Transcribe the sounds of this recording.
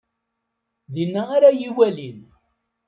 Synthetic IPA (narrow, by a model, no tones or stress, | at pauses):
ðinːæːɾajiwælin